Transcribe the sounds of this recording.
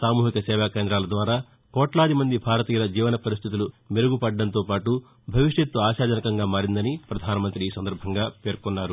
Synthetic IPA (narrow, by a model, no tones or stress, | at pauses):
saːmuːɦikɐsɛːʋaːkeːnd̪ɾaːlɐd̪ʋaːɾaː | kɔːʈlaːd̪imɐnd̪ibʱaːɾɐt̪iːjɐlɐd͡ʒiːʋɐnɐpɐɾist̪ʰit̪ulu | meɾuɡupɐɖːɐnt̪oːpaːʈu | bʱɐʋiʂjɐt̪ːuaːʃaːd͡ʒɐnɐkɐŋɡaːmaːɾind̪ɐnipɾɐd̪ʱaːnɐmɐnt̪ɾiiːsɐnd̪ɐɾbʱɐŋɡaːpe̞ːɾkunːaːɾu